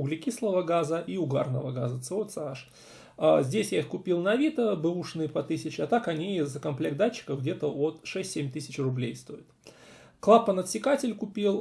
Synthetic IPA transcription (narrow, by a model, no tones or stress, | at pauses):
ʊɡlʲɪkʲislˠəvəɡazəʔiʊɡa̰rnə̰vəɡa̰zət̪sɨot̪sɨaʂ | azʲdʲesʲjaixkʊpʲilˠnɐvʲit̪əbɨuʂnɨjpɐt̪ɨsʲɪt͡ɕɪɐt̪akɐnʲizəkɐmplʲek̪̚d̪at͡ɕːɪ̥kəvɡdʲet̪əot̪ʂɛsʲtʲsʲemʲt̪ɨsʲɪt͡ɕrʊblʲejst̪o̞ɪt̪ | klˠapːənət̪sʲɪkatʲɪlʲkʊpʲilˠ